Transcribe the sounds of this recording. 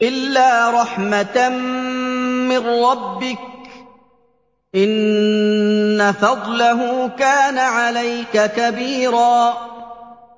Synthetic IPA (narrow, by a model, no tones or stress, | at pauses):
ʔɪlːaːɾˤɑħmat̪ | mɪnːɑbːɪk̚ | ʔɪn | afɑd̪ˤlaɦʊkaːnaʕalajkakabiːɾɑː